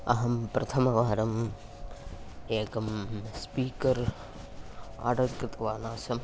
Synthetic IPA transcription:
ɐɦɐmpɾɐt̪ʰɐmɐʋaːɾɐm | eːkɐmspiːkɐɾ | a̰ːɖɐkɾɨt̪ɐʋaːnaːsɐm

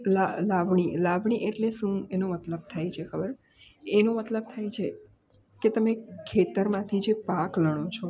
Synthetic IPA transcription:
lalaʋɳ̃ilaʋɳ̃iʔeʈleʃũenomət̪ləb̚t̪ʰajt͡ʃʰekʰəbəɾ | enomət̪ləb̚t̪ʰajt͡ʃʰe | ket̪əmekʰːet̪əɾmãt̪ʰid͡ʒepakləɽ̃ot͡ʃʰo

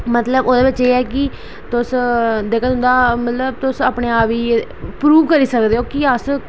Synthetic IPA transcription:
mət̪ləboːd̪eːbɪt͡ʃeːɛːkɪ | t̪ʊsd̪eːkʰət̪ɦʊ̃nd̪aːmət̪ləbt̪ʊsəːpɳeːaːpiː | pɾuːʋkəɾiːsəkd̪eːoːkiəs

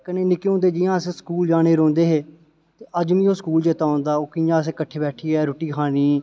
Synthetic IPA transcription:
kəneːnɪkeːõːnd̪eːd͡ʒɪjãːəsẽːskuːld͡ʒaːɽ̃eːɾõːnd̪eːɦeː | t̪eːʔəd͡ʒmĩːoːskuːld͡ʒeːt̪aːõːnd̪aːoːkɪjãːəsẽːkəʈʰeːbɛːʈʰiːɛːɾoːʈiːkʰaːniː

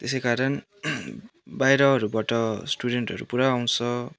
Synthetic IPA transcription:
t̪esejkaɾʌn | bajɾʌɦʌɾubaʈʌsʈuɽeɳʈɦʌɾṵpuɾaːw̃nt͡sʰʌ

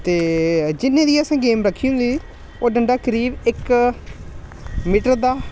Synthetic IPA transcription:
t̪eːd͡ʒɪnːẽːd̪iːəsãːɡeːmɾəkʰːiːʊ̃nd̪iː | oːɖəɳɖaːkəɾiːbɪk | miːʈəɾd̪aː

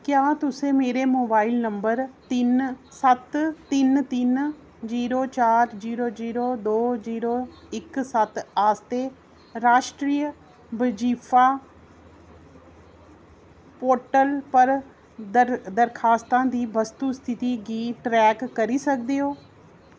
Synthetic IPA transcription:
kjãːt̪ʊsẽːmeːɾeːmoːbaːɪlnəmbəɾt̪ɪnsət̪t̪ɪnt̪ɪn | ziːɾoːt͡ʃaːɾziːɾoːd͡ʒiːɾoːd̪oːziːɾoː | ɪksət̪aːst̪eː | ɾaːʃʈɾiːj | bəd͡ʒiːpʰaː | poːɾʈəlpəɾ | d̪əɾd̪əɾkʰaːst̪ãːd̪iːbəst̪uːst̪ʰɪt̪iːɡiːʈɾɛːkːəɾiːsəkd̪eːɦoː

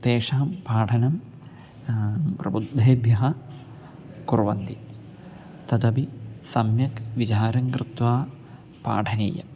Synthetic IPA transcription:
t̪eːʂɐɦɐmpaːʈʰɐnɐm | pɾɐbud̪ʱːeːbʱjɐɦɐ | kuɾʋɐnt̪i | t̪ɐt̪ɐpisɐmjɐkʋit͡ʃaːɾɐŋkɾɪt̪ʋaː | pa̰ːʈʰɐnḭːjɐ̰

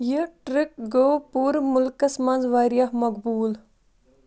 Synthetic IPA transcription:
jəʈɾɪk̚ɡoːpuːɾmʊlkɐsmɐnzʋaːɾjaɦmɐk̚buːl

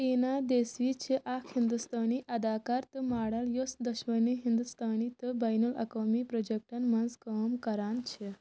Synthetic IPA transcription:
inad̪esʋit͡ɕʰeʔakʰhind̪ust̪ʰaniʔɐd̪akaɾt̪əmaɽaljosd̪ɐɕʋəniɦind̪ust̪ʰanit̪əbajnulɐ̰komipɾɔd͡ʑek̚ʈɐnmɐnzkəmkɐɾant͡ʃʰe

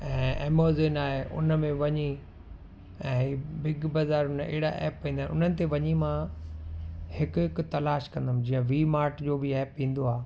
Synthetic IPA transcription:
ɛ̃ːeːmoːzenaːɦeʔʊ̰nəmẽʋɐɲi | ɛ̃ːibɪɡbɐzaːɾʊnḛːɪɽa̰ʔɛ̰ːpːĩːnd̪aːnɪʊnənɪ̆t̪ʰeʋɐɲimã | hɪkʊkt̪ɐlaːʃkɐ̃nd̪əmɪ̃d͡ʑĩːə̃ʋiːmaːɾʈd͡ʑoːbɪɛːpːĩːn̆d̪oaː

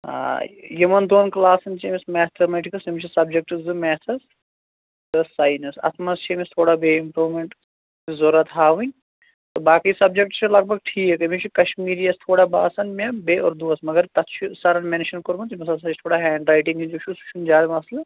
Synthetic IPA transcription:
ɦa̰ːjimɐnd̪oːnklaːsɐnt͡ʃimismɛːt̪ʰɐmeːʈikɐsɐmt͡ʃʰisɐb̚d͡ʒek̚ʈɨzɨmɛːt̪ʰɐs | d̪ɐsaːjnɐsɐ̰t̪ʰmɐst͡ʃʰimist̪ʰoːɽabeːimpɾuːmeɳʈ | izoɾɐt̪ɦaːʋunʲ | t̪obaːkisɐb̚d͡ʒek̚ʈt͡ʃʰilɐɡ̚bʱɐɡʈʰiːkekɐmit͡ʃʰikɐʃmiːɾijɐst̪ʰoːɽaba̰ːsɐnmebeːʔɔ̰ːɾd̪uɐsmɐɡɐɾt̪ɐt̪t͡ʃʰisɐɾɐnmenʃɐnkoɾmɐnt̪imɐsɐlsɐt͡ʃʰit̪ʰoːɽaɦɛːɳɖɾaːjʈĩŋɡid͡ʒot͡ʃʰust͡ʃʰund͡ʒaːd̪ɐmɐslɐ

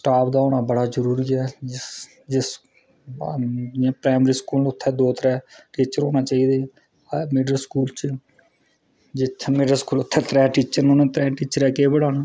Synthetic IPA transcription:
sʈaːpd̪aːoːnaːbəɽaːzəɾuːɾiːɛːd͡ʒ | d͡ʒɪs | d͡ʒãːpɾaːɪmɾiːskuːlʊt̪ʰːɛːd̪oːt̪ɾɛːʈiːt͡ʃəɾoːnaːt͡ʃaːiːd̪eː | meːɖəɾskuːlt͡ʃ | d͡ʒɪt̪ʰːmeːɖəɾskuːlʊt̪ʰːɛːt̪ɾɛːʈiːt͡ʃəɾnõːnẽːt̪ɾɛ̃ːʈiːt͡ʃəɾɛːkeːbəɽaːnaː

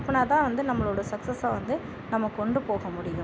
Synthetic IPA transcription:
ɐpːɐnaːt̪ãːʋɐnd̪ɯnɐmːɐɭoːɽɐsɐksɐsaːʋɐnd̪ɯ | nɐmːɐkːɔɳɖɯpoːɣɐmʊɽɪjʊ̃

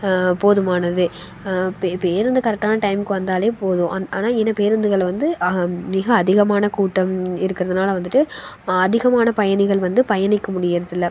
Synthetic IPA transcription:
poːðɯmaːnɐðɯ | ppeːɾɯnd̪ɯkɐɾɛk̚ʈːaːnɐʈɐɪmkːɯʋɐnd̪aːleːpoːðʊ̃ʔɐaːnaːɛnːɐpeːɾɯnd̪ɯɣɐɭʋɐnd̪ɯmɪɣɐːðɪɣɐmaːnɐkuːʈːɐmɪɾɯkːɪɾɐðɯnaːlɐʋɐnd̪ɯʈːɯ | ɐðɪɣɐmaːnɐpɐjɐnɪɣɐɭʋɐnd̪ɯpɐjɐnɪkːɐmʊɽɪjɐɾɐðɪlːɐ

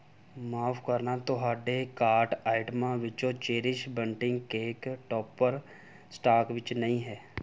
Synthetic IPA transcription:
maːpʰkəɾnat̪oɦaːɖekaːɾʈaːɪʈmãʋɪt͡ʃoːt͡ʃeːɾɪʃbəɳʈɪ̃ŋɡkeːkʈɔːpːəɾ | sʈaːkʋɪt͡ʃnəɦĩɦɛː

